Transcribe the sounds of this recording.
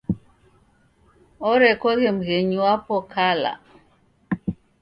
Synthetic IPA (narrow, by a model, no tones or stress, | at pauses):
ɔɾɛkɔɣem̩ɣeɲuwapɔkʰala̰